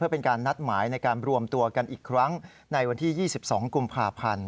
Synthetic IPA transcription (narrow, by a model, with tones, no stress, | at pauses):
ɯ˥˩əpe˧nkaː˧nːa˦˥t̪̚maː˩˦jna˧jkaː˧nɾu˧əmt̪u˧ɐka˧nʔiː˨˩kʰːɾa˦˥ŋ | na˧jwa˧nt̪ʰiː˥˩jiː˥˩si˨˩p̚sɔ̰ː˩˦ŋku˧mpʰaː˧pʰa˧n